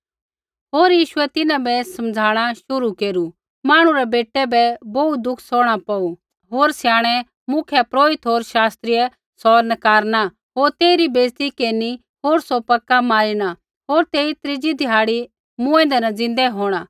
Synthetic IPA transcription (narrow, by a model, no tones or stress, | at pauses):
ɦoːɾjiːʃʊɛt̪ɪnãbɛsɐmd͡zʱaːɽ̃aʃʊɾukeːɾu | maːɽ̃ũɾɛbeːʈːɛbɛbout̪̚d̪ʊkʰsɔːɽ̃apɐu | ɦoːɾsjaːɽ̃ɛ | mʊkʰɛpɾoːɪt̪ɦoːɾʃaːst̪ɾijɛ | sɔːɾnɐkaːɾna | ɦoːɾt̪eːɾibeːst̪ikeːni | ɦoːɾsopɐkːamaːɾiña | ɦoːɾt̪eːit̪ɾɪd͡ʒid̪ʱɪɦaːɽi | mʊ̃ɛ̃ːnd̪ɛnɐd͡zɪ̃nd̪ɛɦoːɽ̃a